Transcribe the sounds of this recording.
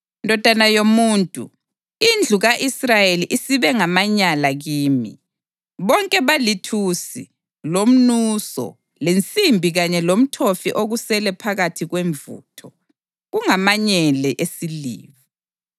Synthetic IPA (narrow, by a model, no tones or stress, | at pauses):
ndʱɔd̥ʱanajomuːntʼṵ | ind͡ɮʱuɣaʔisrajeliʔisiβɛŋamaɲalaɣiːmḭ | βɔŋkʼɛβalitʰusḭ | lom̩nusɔ̰ | lent͡sʼimbʱiɣaɲɛlom̩tʰofḭʔoɣusɛlɛpʰaɣatʰiɣweɱvṵːtʰɔ | ɣuŋamaɲɛlɛʔesilḭːβi